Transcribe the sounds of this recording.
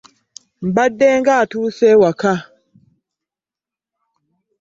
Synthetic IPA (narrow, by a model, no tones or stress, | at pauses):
m̩badːɛŋɡatusɛwaka